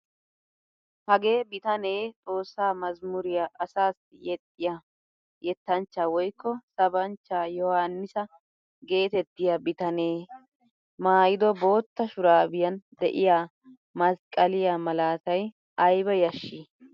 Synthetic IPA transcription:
hɐɡe̞ːbɪt̪ɐne̞ːt͡sʼo̞ːsːaːmɐzmʊɾɪjaʔɐsaːsjɛt̪ʼːɪja | jɛt̪ːɐnt͡ʃːaːwɔjkːɔsɐbɐnt͡ʃːaːjɔhanːɪsɐ | ɡe̞ːt̪ɛt̪ːɪjabɪt̪ɐneː | maːjɪd̪ɔbo̞ːt̪ːɐʃʊɾaːbɪjɐnd̪ɛʔɪjaː | mɐskʼːɐlɪjamɐlaːt̪ɐj | ɐjbɛjɐʃːɪ

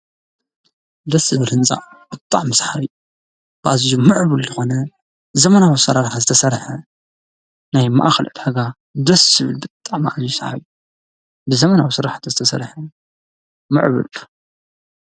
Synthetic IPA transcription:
d̪ɐsɨβɨlhɨnt͡sʼa̰ʔ | b̥ɨt̪ʼːaʕmɨsħaɾɨju | b̥ɨʔazjumɨʕβulzɨxo̞nɐ | zɐmɐnawisɐɾaɾħazɨt̪ʰɐsɐɾħɐ | najma̰ʔaxɐlʕɨd̪ħaɡa | d̪ɐsːɨβɨlbɨt̪ʼːaʕmaʔazijusʕa̰βu | bɨzɐmɐnawisɨɾaħat̪ʰzɨt̪ʰɐsɐ̰ɾħɐ | mɨ̰ʕbṵl

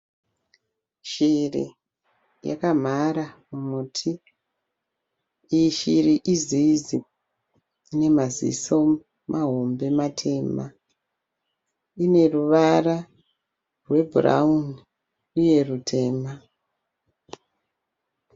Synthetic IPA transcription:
ʃirḭ | ja̰kam̤aɾamumutʰi | ʃiriʔizizi | ine̞mazḭso̞ | maɦo̞mbe̞matʰe̞ːma | ine̞ruʋara | rwe̞bʱura̰un | uje̞rutʰe̞ːma

